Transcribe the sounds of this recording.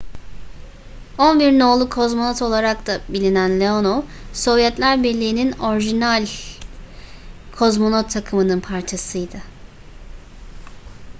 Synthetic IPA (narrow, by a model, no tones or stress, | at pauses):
onbiɾno̞ːlˠukʰo̞zmonot̪ʰo̞lˠaɾak̚t̪abilʲinænlʲeo̞noso̞vjɛt̪lʲæɾbɛlʲːijːnino̞ɾiʒinalʲ | kʰo̞zmo̞not̪ʰːakʰɯmɯnɯnpʰaɾt͡ʃʰasɯjd̪ɯ